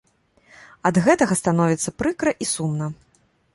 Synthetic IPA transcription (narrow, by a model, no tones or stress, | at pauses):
ɐd̪ɣɛt̪ɐɣɐst̪an̪ɔvʲit̪sːɐpɾɨkɾɐʔisumnɐ